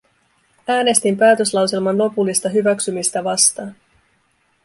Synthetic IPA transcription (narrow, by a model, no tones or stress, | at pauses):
æːne̞st̪impæːt̪ø̞slɑwselmɑnlo̞pulːist̪ɑɦyʋæksymist̪æʋɑst̪ɑːn